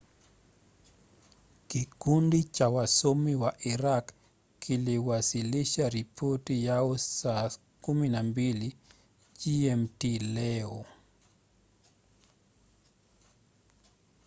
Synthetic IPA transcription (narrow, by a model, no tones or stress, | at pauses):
kikundit͡ʃawasomiwaʔiɾak | kʰːiliwasiliʃaɾipʰotijaɔsa | kuminambili | d͡ʒiɛmtilɛɔ